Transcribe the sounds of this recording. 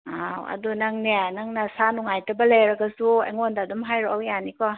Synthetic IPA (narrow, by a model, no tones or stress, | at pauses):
awɐ̰dunɐŋnianɐŋnɐsanuŋajtɐbɐlejɾɐɡɐsuḛŋondadumɦajɾɔawjanikɔ